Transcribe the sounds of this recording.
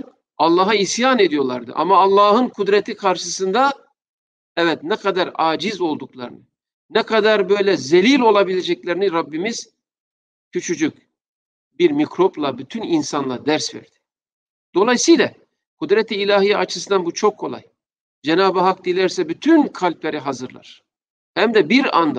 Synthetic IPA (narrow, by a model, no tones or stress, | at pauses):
ɑlˠːɑːɦaisjaːne̞d̪ijo̞lˠa̰ɾd̪ɯ̰ʔa̰maːlˠːɑːhɯnkʰud̪ɾɛt̪ʰikʰaɾʃɯsɯnd̪a | ɛvɛt̪nɛkʰad̪aɾaːd͡ʒizo̞lˠd̪uklˠa̰ɾɯ̰nɯ | nɛkʰad̪aɾbø̞jlʲɛzelʲilʲo̞lˠabilʲed͡ʒɛclʲeɾiniɾabːimiz̥ | cʰyt͡ʃʰyd͡ʒyc̚ʲ | biɾmikɾoplˠabyt̪ʰyninsanlˠad̪æɾsvɛ̰ɾd̪̥i̥ | d̪̥o̞lˠajsɯjlʲa | kʰud̪ɾɛt̪ʰiːlʲaːɦijat͡ʃʰɯsɯnd̪anbut͡ʃʰokʰːo̞lˠa̰j | d͡ʒɛnaːbɯɦak̚d̪ilʲɛɾsɛbyt̪ʰynkʰalʲplʲeɾiɦazɯɾlˠa̰ɾ̥ | hæmd̪ɛbiɾa̰nd̪a